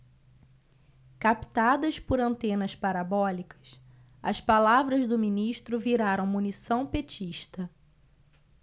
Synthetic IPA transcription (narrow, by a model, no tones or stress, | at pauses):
kapt̪ad̪ɐspʊɾɐ̃nt̪ẽnɐspaɾabɔlikʰɐ̥s | ɐ̰spalavɾɐzd̪ʊminiʃt̪ɾʊviɾaɾɐ̃w̃munisɐ̃w̃pet͡ʃiʃt̪ɐ